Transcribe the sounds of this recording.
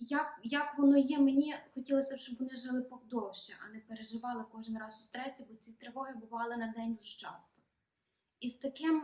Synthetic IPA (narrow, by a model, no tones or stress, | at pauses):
jakjɐkʋɔnɔjɛmenʲixɔtʲilˠɔsʲɐʃt͡ʃɔbʋɔnɪʒɪlˠɪpɔwd̪ɔwʃt͡ʃiʔɐnɛpeɾeʒɪʋɑlˠɪkɔʒɪnrɑzʊ̥st̪ɾɛsʲibɔt͡s̪ʲit̪ɾeʋɔɦɪbʊʋɑlˠɪnɐd̪ɛnʲʊʃt͡ʃɑ̰st̪ɔ̥ | ist̪ɐkɪm